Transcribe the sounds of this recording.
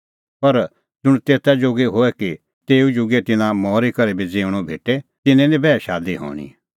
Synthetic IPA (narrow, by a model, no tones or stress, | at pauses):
pɐɾ | d͡ʒʊɽ̃t̪eːt̪ɛd͡ʒoɡeɦoːɛki | t̪eːud͡ʒʊɡet̪ɪnãmɔːɾikɐɾebʱid͡zeːʊɽ̃ɔbʱḛːʈet̪ɪnɛ̃lĩbɛːʃaːd̪iɦɔ̰ːɽ̃ḭ